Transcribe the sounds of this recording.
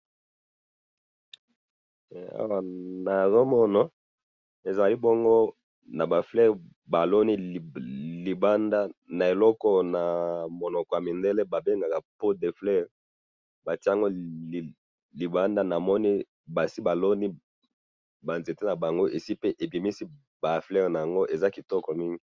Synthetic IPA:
a̰˨wa˨na˨zo˦mɔ˦na˦ | e˨za˨li˦bɔ˦ŋɡo˦ | na˨ba˨flɛ˦ʁ | ba˨lo˦ni˦˨li˨ba˦nda˦na˨e˨lɔ˦kɔ˦na˨mo˨nɔ˨kɔ˨ja˨mi˨nde˦le˦ba˨be˦ŋɡa˨ka˨po˦de˨flɛ˦ʁ | ba˨ti˦a˦˨ŋɡo˦˨ | li˨ba˦nda˦na˨mɔ˦ni˦ | ba˨si˦ba˨lo˦ni˦ | ba˨nze˨te˦na˨ba˨ŋɡo˦ʔe˨si˦pe˦ʔe˨bi˨mi˦si˦ | ba˨flɛ˦ʁna˨a˨ŋɡo˦ʔe˨za˦ki˨tɔ˦kɔ˨mi˦ŋɡi˦

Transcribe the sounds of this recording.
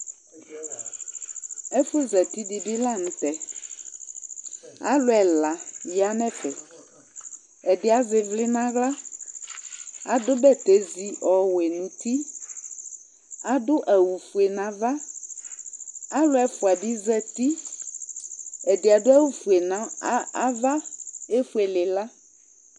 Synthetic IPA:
e˦fʊ˦zɛ˨t̪i˦di˨bi˦la˦nũ˨t̪ɛ˨ | a̰˦lʊ˨˦ɛ˨la˨ji˦a˨mɛ̃˦fɛ˨ | ɛ˨dɪ˨˦a˨zɪ˨vlɪ˦nã˦ɣla˦ | a˨dʊ˦bɛ˦t̪e˦zi˨ʔɔ˨we˨nũ˨t̪i˦ | a˨dʊ˦ʔɛ˨wu˨fu˨e˨nã˨va˦ | a˦lo˦ɛ˨fu˨a˨ɖi˦zɛ˦t̪i˦ | e˨de˨a˨dʊ˦a˦wu˦fu˨e˨nã˦a˦va˦e˦fu˦e˨lɪ˨la˦

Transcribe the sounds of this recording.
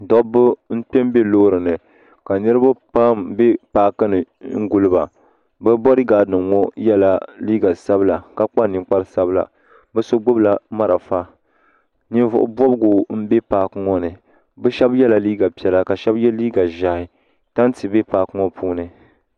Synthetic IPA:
dɔ˦bʊ˦n̩˦k͡pɛ˦mbe˦loː˦ɾɨ˨nɨ˨ | ka˨nɨ˦ɾɨ˦ba˦pa˦mbe˦paː˦kɨ˦nɨ˨ | ŋ̩˦ɡu˦lɨ˦ba̰˨ | bɛ˦bɔ˦ɾɨ˦ɡaː˨nɨ˨ŋŋɔ˦jɛ˦la˦liː˦ɡa˨sa˦bla˨ka˦k͡pa˦ni˨k͡pa˦ɾɨ˦sa˦bla̰˨ | bɛ˦so˦ɡ͡bʊ˦bla˨ma˦ɾa˨fa˦ | ni˦nvʊ̰˦ʔʊ̰˦bɔ˦bɡʊ˨m̩˦be˦paː˦kŋɔ˦nɨ˨ | bɛ˦ʃɛ˦bjɛ˦la˨liː˦ɡa˨pi˨ɛ˦˨la˦ka˨ʃɛ˦bjɛ˦liː˦ɡa˨ʒa˨hɪ˨ | ta˦n˦ti˨be˦paː˦kɨ˦ŋɔ˦puː˦nɨ˨

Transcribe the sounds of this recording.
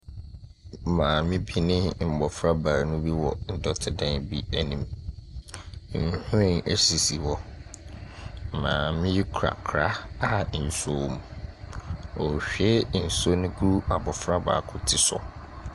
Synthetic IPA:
mãː˨mɪ̃˦bi˦nɪ̃˦m̩˨bɔ˨fɾa˦ba˨ɾnʊ̃˦bi˦wɔ˨n̩˨dɔ˦tʰɪ˨dã˦nbi˦ɛ˦nĩ˨m˨˦˨ | hʊ̃˦ɪ̃˦nʔɛ˦si˨si˨wɔ˦˨ | mã̰ː˨mɪ̃˦ji˦kʰɾa̰˨kʰɾa˦a˦˨n̩˨so˦˨m˨ | ɔ˨ɕᶣɛ˦n̩˨so˦nʊ̃˦ɡu˦ɾu˦a˨bɔ˨fɾa˦ba̰ː˨kʰʊ˦tʰɪ˦sɔ̰˨

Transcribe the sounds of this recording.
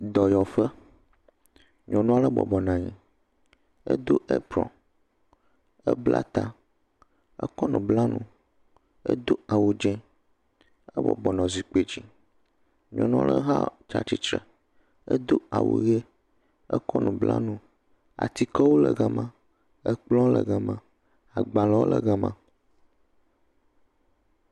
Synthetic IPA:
d̪ɔ˨jɔ˨fə˦ | ɲɔ̃˨nũ˦a˦lə˦bɔ̰˨bɔ˨nã˨ɲɛ̃˨ | ɛ̰˦d̪o˦ʔe˦pɾɔ̰̃˨n | ɛ˦bla˦t̪a˦ | ɛ̰˦kɔ˦nũ˨bla˦nũ˨ | ə̰˦d̪o˦a˨wo˨d͡ʒɛ̃˦ | ə˦bɔ̰˨bɔ˨nɔ̃˨zi˨k͡pe˦d͡ʑi˨ | ɲ˨ɔ̃˨nɔ̃˦lə˦ɦa˦t͡ʃa˨t͡ɕi˦t͡ʃɾə˨ | ə˦d̪o˦a˨wo̰˨ɣe˦ | ə˦kɔ˦nũ˨bla̰˦nũ˦ | a̰˨t̪i˦kɔ˦wo˦lə˨ɣɛ˦mã˦ | ə˦k͡plɔ̃˦lə˨ɣɛ˨mã˨ | a˨ɡ͡ba˨lɔ˦wo˦lə˨ɣɛ˦mã˨

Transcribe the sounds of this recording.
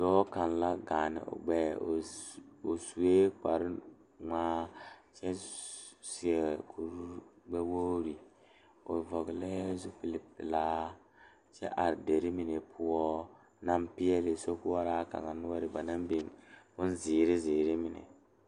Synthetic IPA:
dɔː˦ka˨nla˦ɡa˨nɪ̰˨ʔo̰˨ɡ͡bɛː˦˨o˨su˨e˦k͡pa˨ɾɪ˦ | ŋaː˦t͡ʃɛ˦ | si˨ɛ˨kʰu˨ɾu˦ɡ͡bɛ˦wo˦ɾi˨ | o̰˨vɔ˨ɡlɛ˦zu˦pi˨li˨pɪ̰˨laː˦ | t͡ʃɛ̰˦ʔa˨ɾde˨ɾɪ˦mɪ˨ne˨pʰʊ˦wɔ˦ | na˦mpi˦ɛ˦lɪ˨so˦kʊ˦wɔ˦ɾaː˦ka̰˨ŋa˨nʊ˦ɔ˦ɾɪ˨ba˨na˦m˦be˨nbʊ˦n˦zɪː˨ɾɪ˦ziː˨ɾɪ˦mɪ˨nḛ˨

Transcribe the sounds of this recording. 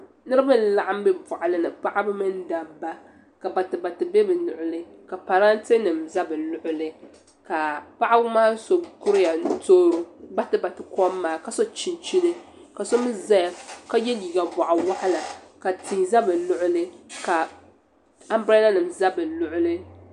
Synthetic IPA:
nɨ˦ɾɨ˦bɨ˦n̩˦la˨ʔa˦m̩˦bɨ˦ba˨ʔa˨lɨ˦nɨ˨pa˦ʔa˦bɨ˦mɨ˦n˦da˨bːa˦ | ka˨ba˨tɨ˨ba˨tɨ˨be˦bɨ˨nʊ˨ʔʊ˦lɨ˦ | ka˨pa˨ɾa˦nte˦nɨ˨mza˦bɨ˨lʊ˦ʔʊ˦lɨ˦ | ka˨pa˦ʔa˦bʊ˦maː˦so˦bkʊ˦ɾɪ˦ja˨n˦toː˦ɾu˦ba˦tɨ˨ba˨tɨ˨kɔ˦mː˦aː˦˨ka˨so˦t͡ʃi˨nt͡ʃi˦nɨ˦ka˨so˦mɨ˦za˦ja˦ka˦jɛ˦li˨ɡa˨ba˨ʔa˨wa˦ha˦la˨ka˨tɪ˨za˦bɨ˨nʊ˦ʔʊ˦lɨ˦ka˨ | a˦mbɾa˦la˦nɨ˨mza˦bɨ˨lʊ˦ʔʊ˦lɨ˦

